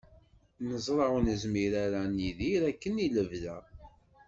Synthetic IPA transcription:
nəzˤɾˤɑwnəzmiɾaɾaniðiɾækːəniləvðæ

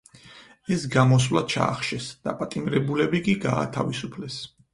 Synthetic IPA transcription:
ɛsɡamɔs̬vlˠad̪̥̚t͡ʃʰa̰ːχʃɛsd̪̥a̰pʼat̪ʼimɾɛbulɛbikʼiɡa̰ːt̪ʰa̰visupʰlɛs

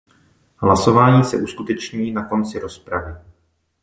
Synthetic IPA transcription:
ɦlaso̞vaːɲiːsɛ̰ʔuskut̪ɛt͡ʃɲiːnako̞nt͡sɪɾo̞spɾavɪ

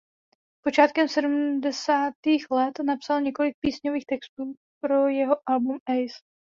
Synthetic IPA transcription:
po̞t͡ʃaːt̪kɛmsɛdumdɛsaːt̪iːxlɛt̪napsalɲɛko̞lɪk̚piːsɲoviːxt̪ɛkst̪uː | pɾo̞jɛɦo̞ʔalbumɛjs

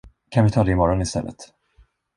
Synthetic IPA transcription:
kʰanvɪt̪ʰɑːd̪ɛɪmɔɾɔnɪst̪ɛ̰lːə̰t̪

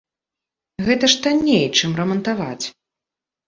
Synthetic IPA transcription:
ɣɛt̪ɐʂt̪anʲːejt͡ʂɨmrɐmɐnt̪ava̰t͡sʲ

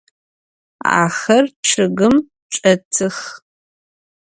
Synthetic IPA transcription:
a̰ːxɐrʈ͡ʂʰɨɣɨm | ʈ͡ʂʼɐtʰɨx

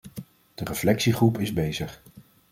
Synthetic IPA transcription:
d̥ərəflɛksiχrupɪzbejzəχ

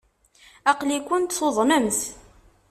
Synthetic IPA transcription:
ɑqlikʷːʊnt̪θoðˤmæmθ

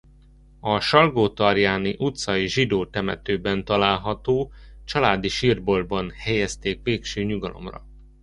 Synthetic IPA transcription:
ɒʃɒlɡoːt̪ɒrjaːniʔut̪sɒjiʒid̪oːt̪ɛmɛ̰t̪øːbɛnt̪ɒlaːlɦɒt̪oːt͡ʃɒlaːd̪iʃirbo̞lbɒnhɛjɛst̪eːkʋeːkʃøːɲuɡɒlʔo̞̰mrɒ̰

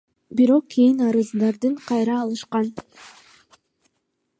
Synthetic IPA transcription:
biɾo̞q̚kʰʲːejinɑɾɯzd̪ɑɾd̪ɯɴqʰɑjɾɑːlˠɯʃqɑn

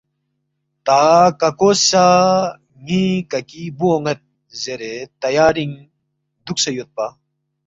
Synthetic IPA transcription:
t̪akɐkosa | ŋikɐkibuoŋɡɐt̪̚ | zeɾet̪ɐjaːɾiŋ | d̪uksɐjot̪̚pa

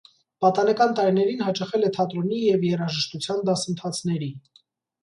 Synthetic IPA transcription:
pɑt̪ɑnɛkɑnt̪ɑɾinɛɾinɦɑt͡ʃɑχɛlɛt̪ʰɑt̪ɾɔnijɛvjɛrɑʒəʃt̪ut͡sʰjɑnd̪ɑsənt̪ʰɑt͡sʰn̪ɛɾi

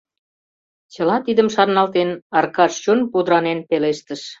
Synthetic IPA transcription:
t͡ɕə̆lɑt̪id̪əmʃɑrnɑlt̪enɑrkɑʃt͡ɕonpud̪əɾɑnenpeleʃt̪əʃ

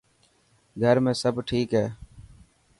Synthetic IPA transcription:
ɡʱəɾmẽːsəbʈʰiːkɦɛː

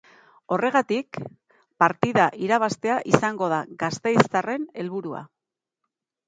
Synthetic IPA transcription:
o̞re̞ɣat̪ik | paɾt̪iðaʔiɾaβ̞ast̪e̞aʔisaŋɡo̞ð̞aɣast̪e̞jst͡sare̞ne̞lβuɾua̰

